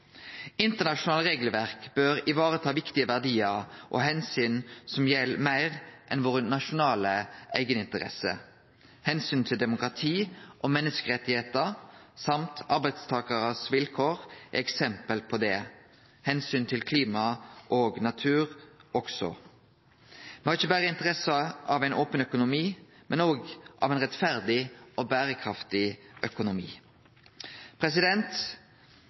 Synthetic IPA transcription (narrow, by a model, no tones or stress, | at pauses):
ɪnt̪əʁnɑʃʊnɑːləʁeːɡləʋæʁkb̥øɾɪʋɑːʁət̪ʰɑːʋɪkt̪ɪəʋæʁd̪iːəʁʔɔ̰ɦɛnsyːnsɔmjɛlːmæɪʁʔɛnʋoːʁənɑʃʊnɑːləæ̰ɪɡənɪnt̪əʁɛ̰sə̰ | hɛnsyːnt̪ʰɪld̪ɛmʊkʁɑt̪ʰiːʔɔmɛnːəskəʁɛt̪ːɪheːt̪əʁsɑmt̪ʰɑɾbæɪd̪st̪ʰɑːkəʁəsʋɪlkʰoːʁɛksɛmpəlpʰɔd̪ɛ | hɛnsyːnt̪ʰɪlkʰliːmɑʔoːɡnɑt̪ʰʉːʁɔksɔ̰ | mɛhɑʁɪçəbæːʁəɪnt̪əʁɛsəɑʋæɪnʔoːpənœkʊnʊmiːmɛnoːɡʔɑ̰ʋɛɪnʁɛt̪fæʁd̪ɪʔɔbæːʁəkʰʁɑft̪ɪʔœkʊnʊmḭː | pʰʁɛs̬ɪd̪ɛnt̪